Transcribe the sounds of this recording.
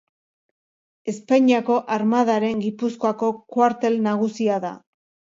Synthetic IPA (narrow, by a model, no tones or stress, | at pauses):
e̞spaɲiako̞ʔaɾmað̞aɾe̞ŋɡipusko̞ako̞kwaɾt̪e̞lnaɣ̞usiaða̰